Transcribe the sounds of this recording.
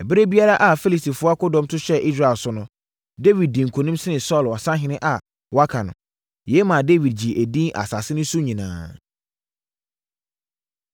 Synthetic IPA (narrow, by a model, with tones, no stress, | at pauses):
ɛ˨bɪ˦ɾe˦bi˦a˦ɾa˦ʔa˨fi˦li˨sti˨fʊ˦a˦kʊ˦dɔ̃˦mtʰʊ˦ɕɛ˦ʔi˦s̬ɾa˨ɛ˨lsʊ˦nʊ̃˦ | de˦wi˨d̚dĩ˨ŋ̩˨kʰõ˨nũ˦msɪ˦nɪ̃˨sɔ˦˨lɔ˨sã˦ɦɪ̃˦nɪ̃˦ʔa˨ | wa˦kʰa˨nʊ̃˨ | jɛ˦mã˨de˦wi˨d̚d͡ʑi˨ʔæ˨dĩ˦nʔa̰˨sa˨sɪ˦nʊ̃˦su˦ɲĩ˨nã̰ː˨